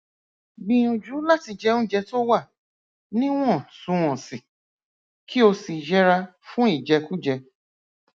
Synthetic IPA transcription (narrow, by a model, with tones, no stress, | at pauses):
bĩ˧j̃ũ˧d͡ʒu˨˦la˦ti˧d͡ʒɛ˧nũ˦d͡ʒɛ˧to˦wa˦˨ | nĩ˦w̃ɔ̃˦˨sũ˧ɔ̃˨si˨ | kʰi˦o˧si˨d͡ʒɛ˦ɾa˧fũ˦i˦˨d͡ʒɛ˧ku˦d͡ʒɛ˧